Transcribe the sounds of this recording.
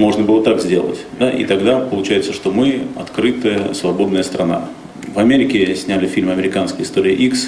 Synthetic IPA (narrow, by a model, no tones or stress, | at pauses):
mo̞ʐnəbɨlˠət̪akzʲdʲe̞̰lˠə̰tʲd̪aʔḭt̪ɐɡd̪apəlˠʊt͡ɕæjɪt̪səʂt̪o̞mɨɐ̰t̪kɾɨt̪əjəsvɐbo̞d̪nəjəst̪ɾɐna̰ | vɐmʲeɾʲɪkʲɪsʲnʲælʲɪfʲilʲmɐmʲɪɾʲɪkanskʲɪɪst̪oɾʲɪːʔiks